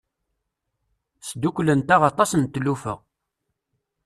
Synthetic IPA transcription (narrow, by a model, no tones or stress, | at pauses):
sd̪ukʷlənt̪æʁɑt̪ˤɑsənt̪ːlufə̰ʁ